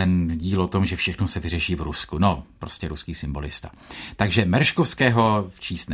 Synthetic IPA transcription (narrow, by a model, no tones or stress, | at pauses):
ɛnɟiːlot̪o̞mʒɛfʃɛxnosɛvɪrɛʃiːvɾuskuno̞pɾoscɛɾuskiːsɪmbo̞lɪst̪a̰ | t̪aɡʒɛmɛɾʃkofskɛːɦo̞t͡ʃiːst̪n